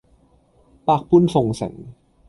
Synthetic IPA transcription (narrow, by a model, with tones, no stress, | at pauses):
pa˧˩k̚pʰu˥˨nfo˨˩ŋsɛ̰˨˩˦ŋ